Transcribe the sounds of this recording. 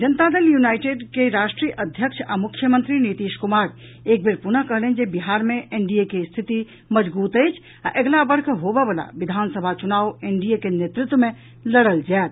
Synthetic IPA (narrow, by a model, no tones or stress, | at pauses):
d͡ʒənət̪ad̪eljunaːɪʈeɖkeɾaːʃʈɾiːjəʔəd̪ʱjəkʃʰa̰mʊkʰjəmə̃nt̪ɾinit̪iːʃkumaːɾ | eːk̚beɾpunəkəɦlend͡ʒebiɦaːɾmẽʔeɳɖiekest̪ʰit̪i | məd͡ʒbuːt̪əjt͡ʃʰ | aʔeɡlabəɾkʰɦobebəla̰ʋid̪ʱaːnsəbʱat͡ʃunaːueɳɖiekenet̪ɾɪt̪wəmẽ | ləɽəld͡ʒaːt̪̚